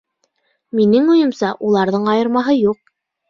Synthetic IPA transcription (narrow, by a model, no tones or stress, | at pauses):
minɘŋŏjɤ̆msɑʔulˠɑɾðɤɴɑjɤ̆ɾmɑɦɤjuq̚